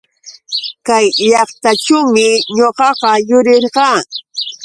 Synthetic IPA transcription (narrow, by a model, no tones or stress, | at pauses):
kajʎɑχt̪aʈ͡ʂʊwmɪɲoɢɑqɑjʊɾɪɾɢɑː